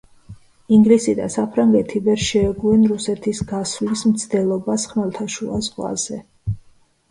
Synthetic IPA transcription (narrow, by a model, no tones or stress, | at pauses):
iŋɡlisid̪a̰sapʰɾaŋɡɛt̪ʰivɛɾʃɛːɡuɛnɾusɛt̪ʰisɡasvlismt̪sʰd̪ɛlˠɔbasχmɛlˠt̪ʰaʃuazʁwa̰zɛ